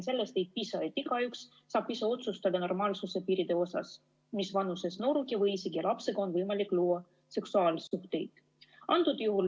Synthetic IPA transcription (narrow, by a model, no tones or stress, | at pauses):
ns̬e̞lːest̪e̞jt̪̚pisɑet̪ːikɑjuksː | ɑːb̥iseo̞t̪sust̪ɑd̪̥ɑno̞rmɑːlsuse̞piːɾid̪̥e̞o̞sɑ̰s | misvɑnuse̞sno̞ɾuɡivɤjsiɡ̥ijɑlɑpse̞ɡ̥ɑo̞nvɤjmɑlikːˑluːɑ | se̞ksuɑːlsuht̪e̞jd̪̥ | ɑnt̪ud̪̥juɦul